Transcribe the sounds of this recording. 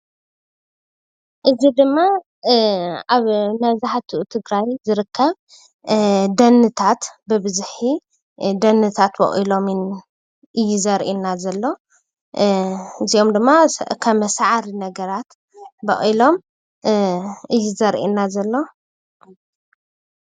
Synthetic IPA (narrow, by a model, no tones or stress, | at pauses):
ʔɨzid̪ɨmːa | aβnɐzaħat̪ʰuʔut̪ʰɨɡɾajzɨɾɨkʰːɐβ | d̪ɐnːɨt̪ʰat̪bɨbɨzħi | d̪ɐnːɨt̪ʰat̪bɐ̰χʼilo̞mɨn | ʔɨjːuzɐɾʔinːazɐlːo̞ | ɨzio̞md̪ɨmːakʰɐmɐsaʕaɾinɐɡɐɾat̪ | bɐχʼilo̞m | ʔɨjːuzɐɾʔḭnːazɐlːo̞